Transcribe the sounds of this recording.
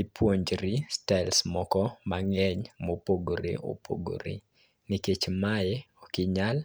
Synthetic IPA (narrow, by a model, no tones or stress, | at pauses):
ipʰwoɲd͡ʒɾistaɪlsmɔkɔmaŋɛɲmopoɡoɾḛʔo̰pʰo̰ɡo̰ɾḛ | nɪket͡ʃmajeɔkɪɲal